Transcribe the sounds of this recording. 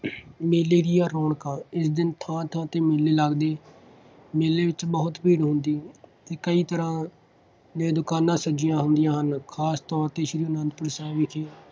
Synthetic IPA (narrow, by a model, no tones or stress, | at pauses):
meːleːɾijaːɾɔːɳkãːɪsd̪ɪnt̪ʰãːt̪ʰãːt̪eːmeːleːləɡd̪eː | meːleːʋɪt͡ʃbəɦʊt̪piːɽɦʊnd̪iːt̪eːkəiːt̪əɾãː | d̪ẽːd̪ʊkaːnãːsəd͡ʒɪjãːɦʊnd̪ɪjãːɦənkʰaːst̪ɔːɾt̪eːʃɾiːʊnãːnd̪pʊɾsãːʋɪkʰeː